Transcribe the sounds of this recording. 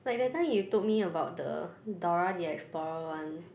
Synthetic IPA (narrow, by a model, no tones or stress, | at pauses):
laɪk̚dɛtãɪ̃mjutot̚miəbaʊt̚də̰dɔɹadiɛ̰ksplɔɹəãn